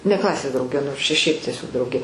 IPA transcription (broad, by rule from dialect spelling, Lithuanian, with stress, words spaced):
nʲɛ ˈklˠɑːsʲeːs drɐʊˈɡʲɛ noːrs ˈt͡ʃʲɛ ˈʃʲɛɪp tʲiɛˈsʲoːk ˈdrɐʊɡʲeː